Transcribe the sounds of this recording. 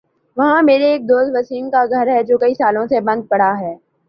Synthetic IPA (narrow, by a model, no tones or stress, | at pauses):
ʋɐɦãmeːɾeːk̚d̪oːst̪ʋɐsiːnkaɡʱɐɾɦɛd͡ʒoːkɐisaːlõsebɐ̃nd̪̚pɐɽ̤aɦɛː